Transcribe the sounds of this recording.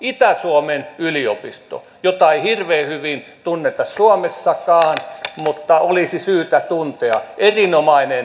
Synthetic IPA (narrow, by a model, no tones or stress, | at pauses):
it̪æsuomenylio̰pist̪o̰ | jot̪ɑeihirʋeːhyʋint̪unːet̪ɑssuomesːɑkɑːnmut̪ːɑolisisyːt̪æt̪unt̪eɑ̰ʔerinomɑinen